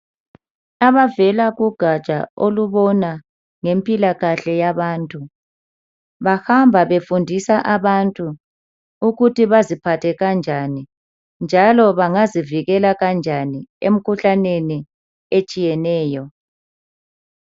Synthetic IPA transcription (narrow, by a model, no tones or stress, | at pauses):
aβavɛlaɣuɡ̥ʱḁt͡ʃʼa̰o̰luβɔna | ŋempʼilaɣaɬɛjaβaːntʼu | βahambʱaβefundʱisaʔaβantʼu | uɣutʰiβazipʰatʰɛɣand͡ʒʱani | nd͡ʒʱalɔβaŋaziviɣɛlaɣand͡ʒʱaniḛm̩kʰuɬaneni | et͡ʃʼijɛnɛːjɔ